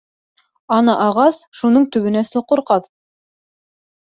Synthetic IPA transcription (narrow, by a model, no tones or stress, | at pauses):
ɑnɑʔɑʁɑsʃunɤɴt̪ɵ̆βɘ̆næsŏqŏɾqɑð